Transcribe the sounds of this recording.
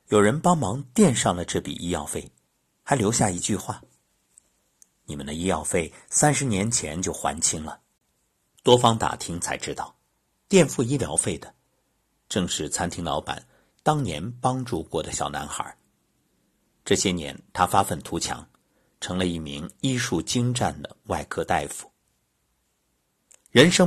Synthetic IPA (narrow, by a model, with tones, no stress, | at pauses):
jo˨˩ʊɻə˧˥npɑ˥ŋmɑ˧˥ŋt̪jɛ˥˧nʂɑ˥˩ŋlə˩ʈ͡ʂɤ˥˩pḭ˨˩ʔi˥jɑ˥˧ʊfe˥˩ɪ | xa˧˥ɪljo˧˥ʊɕja˥˩i˧˥t͡ɕy˥˧xwa˥˩ | ni˨˩mə̰˦nd̪ə˧i˥jɑ˥˧ʊfe˥˩ɪsa˥nʂɻ̩˧˥njɛ˧˥nt͡ɕʰjɛ˧˥nt͡ɕjo˥˩ʊxwa̰˧˥nt͡ɕʰi˥ŋlə˨ | t̪wɔ˥fɑ˥ŋt̪a̰˨˩t̪ʰi˥ŋt͡sʰa̰˧˥ɪʈ͡ʂɻ̩˥t̪ɑ˥˩ʊ | t̪jɛ˥˧nfu˥˧i˥ljɑ˧˥ʊfe˥˩ɪd̪ə˩ | ʈ͡ʂɤ˥˧ŋʂɻ̩˥˩t͡sʰa˥nt̪ʰi˧˥ŋlɑ˧˥ʊpa̰˨˩˦n | t̪ɑ˥ŋnjɛ̰˧˥npɑ˥ŋʈ͡ʂu˥˧kwɔ˥˩d̪ə˨ɕjɑ˨˩ʊna̰˧˥nxə̰˞˨˩˦ | ʈ͡ʂɤ˥˩ɕjɛ˥njɛ̰˧˥nt̪ʰa˥fa˥fə˥˩nt̪ʰu˧˥t͡ɕʰjɑ̰˧˥ŋ | ʈ͡ʂʰɤ˧˥ŋlə˧i˥˩mḭ˧˥ŋi˥ʂu˥˩t͡ɕi˥ŋʈ͡ʂa˥˩nd̪ə̰˩wa˥˧ɪkʰɤ˥t̪a˥˩ɪfu̥˨˩˦ | ɻə˧˥nʂɤ˥